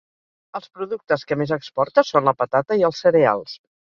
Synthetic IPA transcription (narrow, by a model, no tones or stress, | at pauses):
əlˠspɾuðuk̚t̪əskəmezəkspɔɾt̪əsonləpət̪at̪əiəlˠsːəɾea̰lˠs